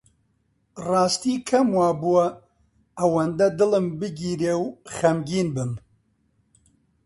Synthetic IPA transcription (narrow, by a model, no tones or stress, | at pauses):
rɑːst̪iːkʰɐmwaːbuwɐ | ɐwɐnd̪ɐd̪ɨlɨmbɨɡiːɾewxɐmɡiːnbɨm